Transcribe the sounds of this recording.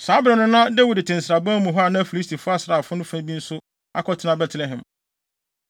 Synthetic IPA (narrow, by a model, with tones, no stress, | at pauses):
saː˨˦bɾɛ˨nʊ̃˦nã˦dɛ˦wi˨dɪ˨tʰɪ̃˨n̩˨sɾa˨bã˦mũ˨ɦɔ˦a˨nã˦fi˨li˦stʰi˨fʊ˦a˦sɪ˨ɾa˨fʊ˦nʊ̃˦fæ̃˦bi˦n̩˦sʊ˦ | a˦kʰɔ˦tʰɪ˦nã˦bɛ˦tʰlɛ˨ɦɛ̃˨m